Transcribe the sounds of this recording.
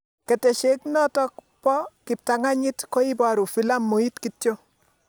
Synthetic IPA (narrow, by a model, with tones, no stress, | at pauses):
ke˨te˨ʃe˦knɔ˦tɔ˦k̚ | pɔ˦ki˨p̚ta˨ŋa˦ɲi˦tko˦i˦ba˨ɾu˨fi˦la˦mːu˨i˦tki˨tjo˦